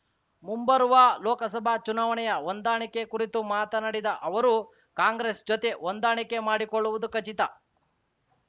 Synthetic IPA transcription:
mumbɐɾuʋaːlɔːkɐsɐbʱat͡ʃunaːʋɐɳɛjɐond̪aːɳikːe̞kuɾit̪umaːt̪ɐnɐɽid̪ɐʔɐʋɐɾu | kaːŋɡɾesd͡ʒot̪e̞ʔond̪aːɳike̞maːɽikoɭːuʋud̪ukɐt͡ʃit̪ɐ

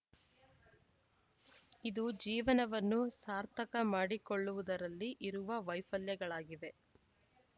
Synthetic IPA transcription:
id̪ud͡ʒiːʋɐnɐʋɐnːusaːɾt̪ʰɐkɐmaːɽikoɭːuʋud̪ɐɾɐlːiʔiɾuʋɐʋɐjfɐljɐɡɐɭaːɡid̪e̞

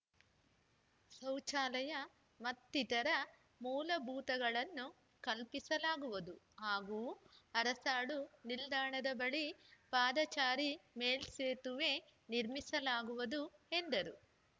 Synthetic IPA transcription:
sɐwt͡ʃaːlɐjɐ | mɐt̪ːit̪ɐɾɐ | muːlɐbʱuːt̪ɐɡɐɭɐnːu | kɐlpisɐlaːɡuʋɐd̪u | ɦaːɡuːɐɾɐsaːɭunild̪aːɳɐd̪ɐbɐɭipaːd̪ɐt͡ʃaːɾimeːlseːt̪uʋe̞ːniɾmisɐlaːɡuʋɐd̪uend̪ɐɾu

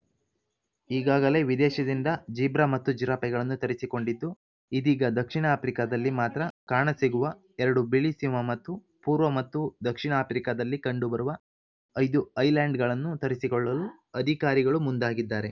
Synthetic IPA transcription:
iːɡaːɡɐle̞ʋid̪ɛːʃɐd̪ind̪ɐd͡ʒiːbɾamɐt̪ːud͡ʒiɾaːpɐɡɐɭɐnːut̪ɐɾisiko̞ɳɖid̪ːu | id̪iːɡɐd̪ɐkʂiɳɐaːpʰɾikad̪ɐlːimaːt̪ɾɐkaːɳɐsiɡuʋɐ | ɛɾɐɽubilisimɐmɐt̪ːu | puːɾʋɐmɐt̪ːud̪ɐkʂiɳɐaːpɾikad̪ɐlːikɐɳɖubɐɾuʋɐː | jd̪uɐjlaːɳɖɡɐɭɐnːut̪ɐɾisikɔɭːɐlu | ɐd̪ʱikaːɾiɡɐɭumund̪aːɡid̪ːaːɾe̞

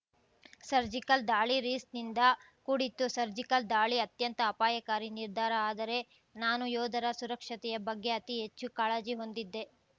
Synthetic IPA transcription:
sɐɾd͡ʒikɐld̪aːɭiɾiːsnind̪ɐ | kuːɽit̪ːusɐɾd͡ʒikɐld̪aːɭiɐt̪jɐnt̪ɐːpaːjɐkaːɾiniɾd̪ʱaːɾɐaːd̪ɐɾe̞ | naːnujɔːd̪ɐɾɐsuɾɐkʂɐt̪ɛjɐbɐɡːe̞ɐt̪iɦe̞t͡ʃːukaːɭɐd͡ʒiɦo̞nd̪id̪ːe̞

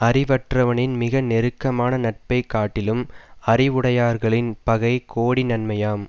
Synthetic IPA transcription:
ɐɾɪʋɐʈrɐʋɐnɪnmɪɣɐnɛɾɯkːɐmaːnɐnɐʈ̚pɐɪkːaːʈːɪlɯmɐrɪʋʊɽɐjaːɾɣɐɭɪnpɐɣɐɪkoːɽinɐnmɐjaːm

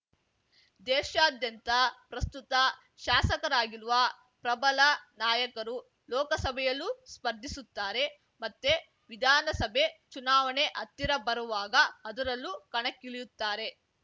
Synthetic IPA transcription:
d̪ɛːʃaːd̪jɐnt̪ɐpɾɐst̪ut̪ɐ | ʃaːsɐkɐɾaːɡiɾuʋɐ | pɾɐbɐlɐnaːjɐkɐɾu | lɔːkɐsɐbʱɛjɐlːuspɐɾd̪ʱisut̪ːaːɾe̞ | mɐt̪ːe | ʋid̪ʱaːnɐsɐbʱe̞t͡ʃunaːʋɐne̞ʔɐt̪ːiɾɐbɐɾuʋaːɡɐːd̪ɐɾɐlːukɐɳɐkːiɭijut̪ːaːɾe̞

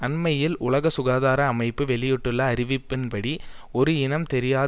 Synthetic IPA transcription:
ɐnmɐjɪlʊlɐɣɐsʊɣaːðaːɾɐːmɐɪpːɯʋɛɭɪjɔʈːɯlːɐːɾɪʋɪpːɪnpɐɽi | ɔɾɯɪnɐmt̪ɛɾɪjaː

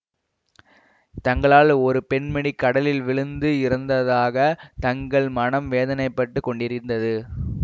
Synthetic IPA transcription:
t̪ɐŋɡɐɭaːlɔɾɯpɛɳmɛɳikːɐɽɐlɪlʋɪɭɯnd̪ɯɪɾɐnd̪ɐðaːɣɐt̪ɐŋɡɐɭmɐnɐmʋeːðɐnɐɪpːɐʈːɯkːɔɳɖɪɾɪnd̪ɐðɯ

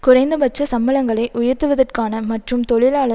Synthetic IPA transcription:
kʊrɐɪnd̪ɐbɐt͡ʃːɐsɐmbɐlɐŋɡɐɭɐɪʔʊjɐɾt̪ɯʋɐðɐrkaːnɐmɐʈrɯmt̪ɔɭɪlaːɭɐ

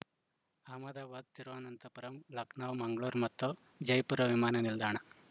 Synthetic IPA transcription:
aːmad̪aːʋad̪̚t̪iɾʋaːnɐnt̪ɐpɐɾɐmlɐknaʋmaŋɡɭoːɾmɐt̪ʰːo | d͡ʑɐjpuɾɐʋimaːnɐnild̪ʱaːɳ̃a

